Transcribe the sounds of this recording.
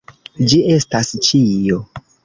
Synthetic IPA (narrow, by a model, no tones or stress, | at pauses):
d͡ʒie̞stast͡ʃijo